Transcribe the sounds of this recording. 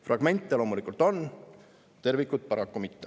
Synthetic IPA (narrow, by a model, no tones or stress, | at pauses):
frʔɑɡ̥me̞nʲt̪ːˑelo̞ːmulikult̪ˑo̞n | t̪e̞rvikːˑut̪̚pɑɾɑkːˑumit̪ːe